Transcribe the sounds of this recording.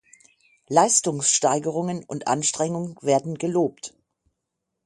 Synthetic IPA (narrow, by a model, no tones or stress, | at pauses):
laɪstʊŋsʃtaɪɡəʁ̞ʊŋənʊ̰ntʔa̰nʃtʁ̥ɛŋʊŋnveːɐdn̩ɡəloːpt